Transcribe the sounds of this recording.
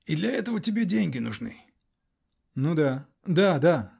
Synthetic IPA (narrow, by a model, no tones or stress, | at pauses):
id̪lʲɐɛt̪əvətʲɪbʲedʲenʲɡʲɪnʊʐnɨ̰ | nud̪a | d̪ad̪a